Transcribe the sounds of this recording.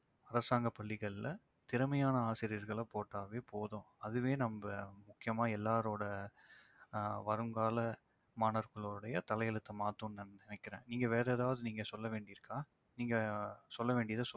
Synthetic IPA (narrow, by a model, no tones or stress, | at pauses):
ɐɾɐsaːŋɡɐpːɐɭːɪɣɐɭɪlɐ | t̪ɪɾɯmɐjaːnɐaːsɪɾɪjɐɾɣɐɭɐpoːʈːaːʋeːpoːðõːɐðɯʋeːnɐmbɐmʊkːɪjɐmaːɛlːaːɾoːɽɐ | ʋɐɾɯŋɡaːlɐ | maːnɐɾkɐɭoːɾɯɽɐjɐt̪ɐlɐjɛlɯt̪ːɐmaːt̪ːũnnnɪnɛkːɪɾḛ̃ːniːŋɡɐʋeːɾɛɛːðaːʋɐðɯniːŋɡɐsɔlːɐʋeːɳɖɪɾɯkːaː | niːŋɡɐsɔlːɐʋeːɳɖɪjɐðɐsɔ